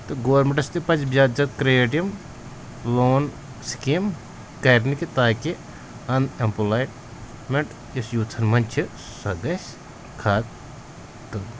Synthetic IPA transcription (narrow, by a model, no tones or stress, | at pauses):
t̪ɨɡoːɾmeɳʈɐst̪ɨpɐt͡ʃbʲjaːd͡ʒɐt̪kɾeːʈijɐm | loːn | skim | kɐɾnikit̪aːki | ɐnempulaːjʈ | meɳʈ | ɐsjuːt͡s̪ʰɐnmɐnt͡ʃʰi | sɐɡɐsʲ | kʰaːt̪ | t̪ːɨ